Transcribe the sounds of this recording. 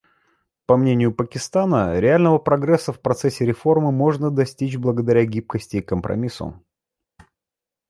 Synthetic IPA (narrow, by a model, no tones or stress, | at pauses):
pɐmnʲenʲɪjʊpəkʲɪst̪anəɾʲɪalʲnəvəpɾɐɡɾɛsːəfpɾɐt̪sɛsʲɪɾʲɪfo̞rmɨmo̞ʐnəd̪ɐsʲtʲit͡ɕblˠəɡəd̪ɐɾʲaɡʲip̚kəsʲtʲɪːkəmpɾɐ̰mʲisə̰